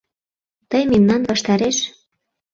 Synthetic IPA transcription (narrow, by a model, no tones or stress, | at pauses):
t̪əjmemnɑnβɑʃt̪ɑɾeʃ